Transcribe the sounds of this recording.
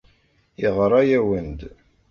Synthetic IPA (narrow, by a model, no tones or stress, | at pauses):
iʁɾˤɑjæwənd̪